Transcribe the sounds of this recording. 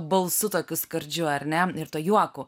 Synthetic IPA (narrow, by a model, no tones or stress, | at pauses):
bɐlˠsʊt̪oːkʲʊskɐɾʲd͡ʒʲʊɐrʲnʲɛɪɾt̪uɔjuɔkʊ